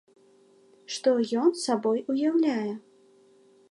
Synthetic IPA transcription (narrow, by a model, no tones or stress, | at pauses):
ʂt̪ɔjɔnsabɔjujawlʲajɛ